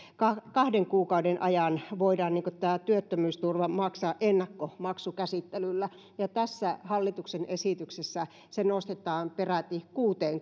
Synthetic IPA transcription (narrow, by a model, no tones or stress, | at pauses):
kɑkɑhdeŋkuːkɑudenʔɑjɑnʋoidɑːnniːŋkot̪æːt̪yøt̪ːømyːst̪urʋɑmɑksɑːʔʔenːɑkːomɑksukæsit̪ːelylːæ | jɑt̪æsːæhɑlːit̪uksenesit̪yksesːæ | senost̪et̪ˑɑːmperæt̪ikuːt̪eːŋ